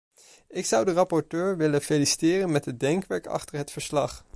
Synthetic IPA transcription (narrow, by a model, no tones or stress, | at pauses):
ɪksʌwdərɑpɔɹtøːɹʋɪləfelisi̥tɪːrənmɛtɦəd̚dɛŋkʋɛɹkɑ̰χtəɹɦətfəɹslɑχ